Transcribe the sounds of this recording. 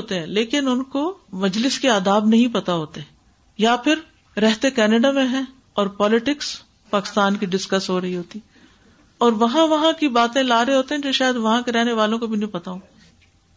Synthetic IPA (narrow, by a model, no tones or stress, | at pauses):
oːt̪eɦɛ̃leːkɪnʊnkomɐd͡ʒlɪskeaːd̪aːbnɐɦĩpɐt̪aɦoːt̪eɦɛ̃ | japʰɪɾ | ɾɛɦt̪ekɛːneɖamẽɦɛ̃ | ɔːɾpɔːlɪʈɪks | paːkɪ̥st̪aːnkiɖɪskɐsɦoːɾɐɦiɦoːt̪i | ɔːɾʋɐɦãʋɐɦãkibaːt̪ẽlaːɾeɦoːt̪eɦɛ̃d͡ʒoːʃaːjəd̪ʋɐɦãkeɾɛɦneʋaːlõkobʱinɐɦĩpɐt̪aõː